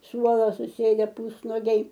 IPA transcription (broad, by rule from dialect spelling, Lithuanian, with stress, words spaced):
ˈsuɔlˠoː sʊˈsʲeːdʲɛ ˈpʊsnoːɡʲɛɪ